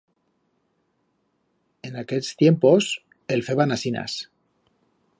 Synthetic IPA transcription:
enakeʎst̪jempos | elfeβanasina̰s

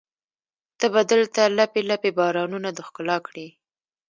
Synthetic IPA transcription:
t̪əbad̪əlt̪alapelapebɑɾɑnunad̪əxkʊlɑkɽi

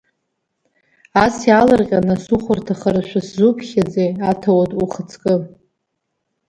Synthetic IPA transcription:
asjalarqʲʼanasuχʷʊrtʰaχaɾaʃʷᶣaszupʰχʲad͡zejatʰawatʼuχət͡sʰkʼɨ

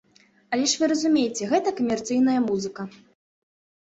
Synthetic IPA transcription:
ɐlʲɛʂvɨɾɐzumʲejt͡sʲɛɣɛt̪ɐkɐmʲɛrt̪sɨjn̪ɐjɐmuzɨkɐ

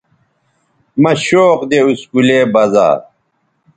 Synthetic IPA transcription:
mɐɕoːqd̪euskuleːbɐza̰ː

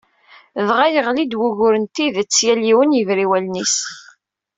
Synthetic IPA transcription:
ðʁæjəʁlid̪wuʝʊɾənt̪iðt͡sːjæliwənjəvɾiwælnis

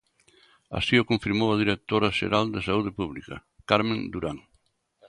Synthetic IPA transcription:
a̰siokõɱfiɾmowɐðiɾek̚t̪oɾɐʃḛɾald̪ɪsauð̞ɪpuβlikɐ̰ | kaɾmẽnd̪uɾaŋ

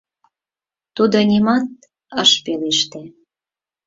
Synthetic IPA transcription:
t̪ud̪onʲimɑt̪̚ | əʃpeleʃt̪e

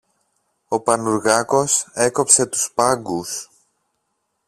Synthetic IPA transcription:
o̞pɐnuɾɣɐko̞se̞ko̞pse̞t̪u̥spɐŋɡus

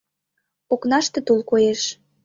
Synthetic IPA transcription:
oknɑʃt̪ĕt̪ulˠkojeʃ

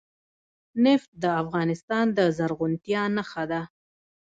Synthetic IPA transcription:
nɪft̪̚d̪əafɣɑnɪst̪ɑnd̪əzaɾɣʊnt̪jɑnaxad̪a

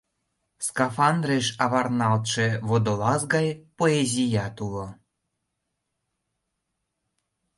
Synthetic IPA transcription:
skɑfɑnd̪reʃɑβɑrnɑlt̪ʃĕβod̪olɑsɡɑjpoezʲijɑt̪ulo

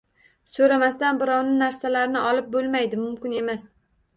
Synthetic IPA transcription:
soɾamast̪anbɪɾɒwnɪnaɾsalaɾnɪʔɒlɪp̚bolˠmajd̪ɪmʊmkʲɪne̞mas

